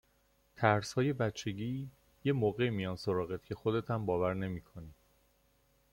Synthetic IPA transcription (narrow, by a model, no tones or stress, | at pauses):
t̪ʰæɾshɒːje̞bæt̪t͡ʃʰːe̞ɟiː | je̞moːɣe̞mijɒːnsoɾɒːɣet̪̚cʲʰe̞xod̪e̞t̪ʰæmbɒːvæɾne̞miːkʰo̞niːd̪̥